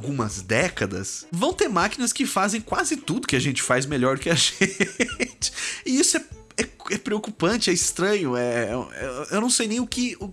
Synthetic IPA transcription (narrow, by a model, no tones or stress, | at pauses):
wɡũmɐzd̪ɛkɐd̪ɐ̰svɐ̃w̃t̪eɾmakinɐskɪfazẽj̃kwazɪt̪ud̪ʊkɪaʒẽnt͡ʃɪ̥fajzmeʎɔɾd̪ʊkɪaʒeẽt͡ʃɪ̥ɪisʊɛ | ɛɛpɾeokupɐ̃nt͡ʃɪɛɪst̪ɾɐ̃ɲʊɛ̃ɛ̰ewnɐ̃w̃sejnẽj̃ʊkɪʊ